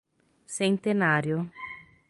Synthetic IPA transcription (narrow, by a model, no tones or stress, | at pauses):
sent̪enaːɾjo